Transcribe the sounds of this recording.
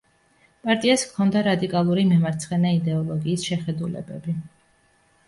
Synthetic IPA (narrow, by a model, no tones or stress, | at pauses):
pʼaɾt̪ʼiaskʰɔnd̪aɾad̪ikʼalˠuɾimɛmaɾt̪sʰχɛnaid̪ɛɔlˠɔɡiːsʃɛχɛd̪ulɛ̰bɛ̰bi